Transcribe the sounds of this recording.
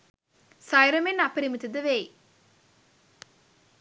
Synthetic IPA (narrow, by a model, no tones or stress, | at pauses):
sajɾɐmenɐpəɾimət̪id̪əʋej